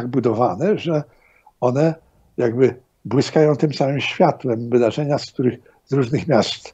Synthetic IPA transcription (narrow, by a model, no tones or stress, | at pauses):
aɡ̚bud̪ɔvanɛʐɛ | ɔnɛ | jaɡbɘ | bwɘskajɔ̃w̃t̪ɘmsamɘmɕfʲjat̪wɛmvɘd̪aʐɛɲaskt̪uɾɘx | zɾuʐnɘxmʲjast̪